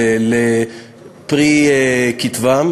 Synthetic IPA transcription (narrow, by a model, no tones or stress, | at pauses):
le | pʁikit̪vam